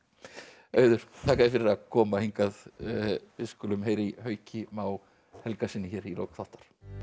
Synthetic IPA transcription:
œːɥðʏɾ̥θʰaːkaðɪfɪɾɪɾakʰɔːmahiŋkað | vɪskʏlʏmɦeːjɾihœːɥcʰɪmaw | hɛlkasɪnːɪçɛːɾilo̰wkθɔht̪ḁɾ̥

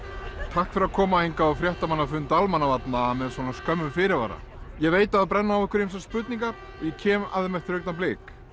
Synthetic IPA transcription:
t̪ʰahkfɪɾakʰɔːmahejŋkaafɾjɛht̪amanːafʏnt̪almanːavat̪naːmɛðsvɔnaskœmːʏmfɪɾɪɾva̰ɾa̰ | jɛɣveːjt̪aðapɾɛnːaːvɛhkʏɾejms̬ɛspʏt̪̚niŋkaɾ | ɔjɛcʰɛːma̰ðɪmɛt̪ɪ̥ɾhœɥkt̪amplɪːk

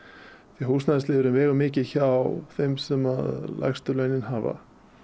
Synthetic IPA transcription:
θɛhusnaðslɪːðʏɾʏmvɛːɣʏmɪːcɪçawθejmsɛmaðla̰jxst̪ʏlɛjnɪnɦaːva̰

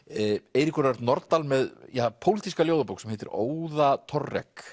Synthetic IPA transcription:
ejɾikʏɾaɾt̪nɔɾt̪almɛðjapʰowliːt̪iskaljowðapowksɛmhejt̪ɪ̰ɾo̰ːwðat̪ʰɔrːɛ̰k

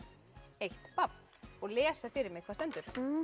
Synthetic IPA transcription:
ejht̪papn | ɔɣlɛːsafɪːɾɪɾmɪɣkʰvast̪ɛnt̪ʏɾ̥

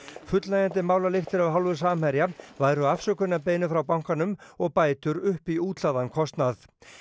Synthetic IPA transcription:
fʏt̪lajant̪ɪmaːwlalext̪ɪɾavɦalvʏ̥saːmajɾjavajɾʏafsœkʏnːapeːjnʏfɾawpawŋ̥kanʏmɔɣpaːjt̪ʏɾʏhpiuːt̪laðankʰɔst̪nað

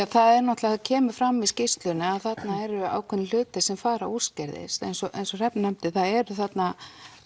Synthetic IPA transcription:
aθaðɛɾnɔht̪lɛɣacʰɛːmʏ̥fɾamːiscɪst̪lʏnɪaðθat̪naɛɾʏa̰ːwkʰɛnɪlʏːt̪ɪsɛmfaːɾa̰u̥scɛɾðɪ̰st̪ɛ̰jnsɔʔḛjnsɔr̥ɛpnnɛmt̪ɪθaðɛɾʏθat̪na

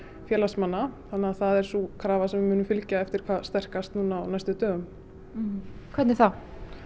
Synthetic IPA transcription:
fjɛːlasmanːaθanːɪaθaðɛɾ̥sukʰɾaːvasɛmvɪmʏːnʏmfɪlcaɛft̪ɪɾ̥kʰvaːðst̪ɛr̥kast̪nuːnaanajst̪ʏt̪œːɣʏm | kʰvɛt̪nɪɾθaw

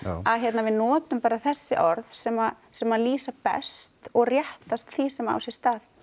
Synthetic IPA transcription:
aðçjɛt̪navɪðnɔːt̪ʏmpaːɾaθɛsːɪʔɔɾðsɛma | sɛmaðliːsapɛ̰st̪ɔɣrjɛht̪ast̪θisɛma̰wsjɛ̥st̪aːθ

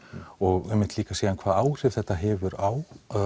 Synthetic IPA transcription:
ɔɣɛmːɪnt̪liːkaseːðankʰv̥aːðaːwr̥ɪv̥θɛht̪ːaɦɛːvʏɾaw

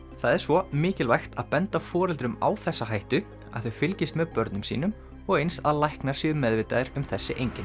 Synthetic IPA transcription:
θaðɛɾ̥svɔmɪːcɪlvajxt̪aðpɛnt̪afɔːɾɛlt̪ɾʏma̰wθɛsːaɦajht̪ʏ | a̰ðθœfɪlcɪst̪mɛðpœɾt̪nʏmsḭːnʏm | ɔɣejnsaðlajhknḁsɪʏmɛðvɪːt̪aðɪɾʏmθɛsːɪʔejɲcɪn

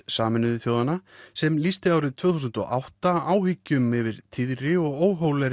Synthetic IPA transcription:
saːmɪnʏðʏθjoːwðanasɛmlist̪ɪaːwɾɪðt̪ʰvøːθusʏnt̪ɔ̰ʔa̰wht̪aaːwvicʏmɪvɪɾ̥t̪ʰiðɾɪɔɣoːwɦoːwlɛɾ

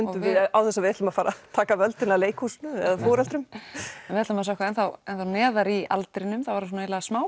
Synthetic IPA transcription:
ʏnʏvɪawθɛsavɪɛht̪lʏmafaːɾat̪ʰaːkavœlt̪ɪnaleːjkhusnʏɛ̰ðafoːɾalt̪ɾʏmɛnvɪɛt̪lamas̬awkvaðɛnθawɛnθawnɛːðaɾia̰lt̪ɾɪnʏmθawvaɾas̬ɔnaejlaɣasmaːw

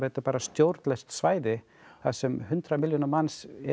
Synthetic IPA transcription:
hɛt̪apaːɾast̪jowɾt̪lɛst̪svaːjðɪ | θaðsɛmhʏnt̪ɾamɪljonamansɛ

